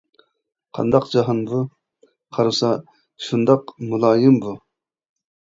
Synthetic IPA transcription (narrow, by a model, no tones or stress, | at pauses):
qʰɑ̰nd̪ɑqd͡ʒɑɦɑnbu | qʰɑɾɨsɑ | ʃund̪ɑqmulˠɑːjɪmbu